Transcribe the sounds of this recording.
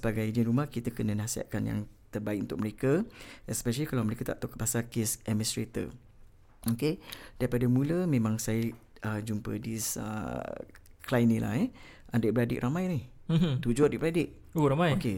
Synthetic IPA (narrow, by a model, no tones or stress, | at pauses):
səbaɡajd͡ʒɪnɾumahkit̪əkənənahsia̰ʔ̪̚kanja̰ŋt̪ərbaik̚unt̪ʊk̚məɾekəɛspɛʃəlikalawməɾekət̪a̰ʔt̪okapasakesɛmĩstɾet̪ə̰ | oked̥aipadəmũləmẽmãŋsajə | ʔəd͡ʒumpə̰disə̰ | klajnila̰hɛ | ʔadɛʔ̚bəɾadɪ̰ʔɾamãjnih̩ | t̪ud͡ʒoadiʔbəɾadɪʔ̚ | oɾamãjoke